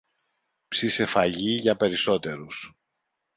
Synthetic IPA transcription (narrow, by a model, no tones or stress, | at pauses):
psise̞fɐʝiʝɐpe̞ɾiso̞t̪e̞ɾus